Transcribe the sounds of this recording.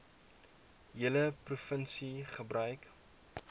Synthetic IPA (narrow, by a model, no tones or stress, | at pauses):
jələprufənsiχəbrœɥk